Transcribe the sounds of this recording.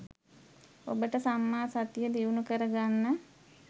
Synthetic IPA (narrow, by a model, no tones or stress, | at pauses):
o̰bəʈəsamːaːsat̪ijəliunukəɾəɡanːə